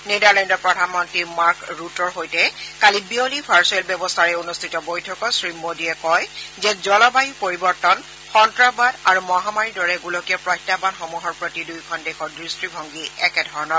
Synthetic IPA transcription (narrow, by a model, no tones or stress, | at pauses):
nedaɹlɛndɔɹpɹɔdʱanmɔntimaɹkɹutɔɹɦojtɛkalibiolipʰaɹsɔɛlbjɛbɔstʰaɹɛunustʰitɔbojtʰɔkɔsɹimodiɛkɔjzɛzɔlɔbaɦipoɹibɔɹtɔn | xɔntɹabadaɹumɔɦamaɹidɔɹɛɡulɔkiɔpɹɔjtːapanxɔmuɦɔɹpɹotidujkʰɔndexɔɹdɹistɹibʱɔŋɡiɛkɛdʱɔɹɔnɔ